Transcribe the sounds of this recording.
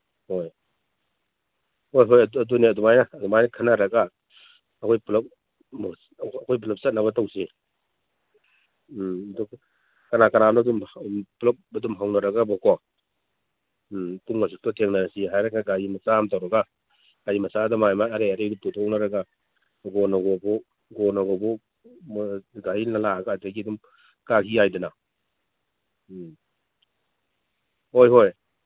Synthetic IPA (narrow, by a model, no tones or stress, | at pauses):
hoj | hojɦojɐdɐduniɐdumajnaːdumajnɐkʰanaɾɐɡaː | kʰojpulɐp̚ | mː | kʰɔjp̬ulɐp̚sɐt̚naβɐtawsi | dɔk | kɐnakɐnanɔdumplɐp̚ɐdumɦawnɐɾɐɡabɔkɔ | tuŋɡasuk̚tɔtʰeŋnanasiɦajɾaɡaɡajimɐsamtawɾaɡa | ɡ̥ajimɐsadamajmaaɾeaɾeduputʰɔknaɾaɡa | ɡɔnaɡɔbɔ | ɡɔnaɡɔbɔ | ɡainalaaɡaːjtaɡidum | kakiajdana | hojɦoj